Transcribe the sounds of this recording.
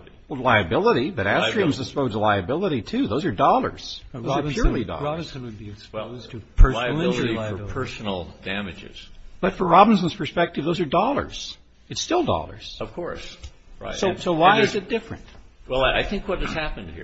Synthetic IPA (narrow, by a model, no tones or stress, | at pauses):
laɪɨbɪlˠəɾibʌɾætɹ̥ĩmzdɨspoʊzəlaɪɨbɪlˠəɾitʰʉðoʊzə˞dɔlˠə̰˞z̥oʊzə˞pʰj̥ʊɹlˠidɔ̰ɹɑb̃nsnwɨd̚biɨspʊz̥ʰɨpʰɜ˞l̩ˠɪ̃iə˞pʰɜ˞sn̩l̩ˠd̥æmɨd͡ʒɪ̰z̥b̥ʌtfə˞ɹɑbn̩sə̃n̩z̥pʰə˞spɛk̚tɨvðoʊzə˞dɔlˠə̰˞z̥ | ɨtstɪlˠdɔ̰lˠə̰˞z̥ʌv̥kʰɔɹs | ɹa̰ɪsoʊsoʊwaɪɨzɨt̚d̥ɪfɹɨ̰̃nt̚wɛlˠaa̰ɪθɪ̃ŋkwʌt̚ɨz̥hæpɨ̃nhḭɹ